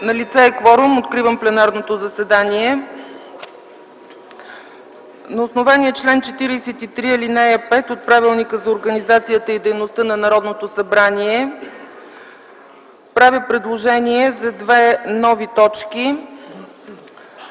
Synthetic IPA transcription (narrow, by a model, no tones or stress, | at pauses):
nɐlit̪sɛːkvɔɾʊmot̪kɾivəmplɛnaɾnot̪ozɐsɛd̪aniɛ | nɐosnovaniɛt͡ʃlɛnt͡ʃɛt̪iɾijsɛt̪it̪ɾiəlinɛjəpɛt̪ot̪̚pɾavilˠnikəzɐoɾɡənizat̪sijət̪əid̪ɛjnost̪ənɐnɐɾɔd̪not̪osɐbɾaniɛ | pɾavʲipɾɛd̪lˠoʒɛniɛzɐd̪vɛnɔvit̪ɔt͡ʃki